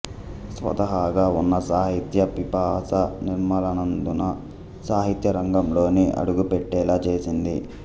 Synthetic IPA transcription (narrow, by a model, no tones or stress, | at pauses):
sʋɐ̰t̪ɐɦaːɡaːunːɐsaːɦit̪jɐpipaːsɐniɾmɐlɐnɐnd̪unɐ | saːɦit̪jɐɾɐŋɡɐmlo̞ːniʔɐ̰ɽuɡupeʈːɛːlaːt͡ʃeːsind̪ḭ